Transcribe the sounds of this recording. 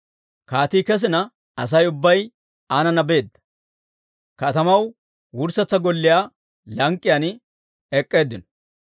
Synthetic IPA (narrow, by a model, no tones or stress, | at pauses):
kaːt̪iːkɛs̬ɪnɐ | ɐ̰s̬ɐjʊbːɐj | aːnɐnɐbe̞ːd̪ːɐ̥ | kɐt̪ɐmɐw | wʊɾsɐt͡sːɐɡɔlːɪjaː | lɐŋkʼːɪjaːn | ɛkʼːe̞ːd̪ːɪnɔ̥